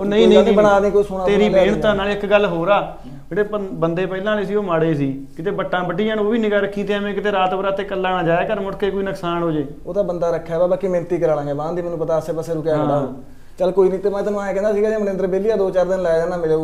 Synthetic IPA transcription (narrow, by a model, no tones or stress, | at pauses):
oːnəĩːnə̃nːəɽaːnĩːkoːisʊnaːt̪eːɾiːeːɳt̪ãːnaːlɪkɡəlːɦoːɾaː | eːɽeːpəbənd̪eːpəːlãːleːsiːoːmaɽeːsiːkɪt̪eːbəʈːãːbəʈiːənoːʋiːnɪkaːɾəkʰːĩːt̪ːãːmẽːkɪt̪eːɾaːt̪ːbɾaːt̪eːkəlːaːnaːd͡ʒaːeːkəɾmʊɽkeːkoːiːnəksaːɳɦoːd͡ʒeː | oːt̪aːbənd̪aːɾəkʰːɛːbaːbaːkiːmẽːnt̪iːkəɾaːlãːɡeːbãːd̪iːmɛnũːpət̪aːəsẽːpəseːɾʊkeːɽaːoː | t͡ʃəlkoːiːnĩːt̪emãt̪əãːɛ̃ːkɛ̃ːnd̪aːsiːɡɛːd͡ʒẽːmənẽnd̪əɾbeːliːaːd̪oːt͡ʃaːɾd̪ɪnlɛːd͡ʒaːnaːmɪleː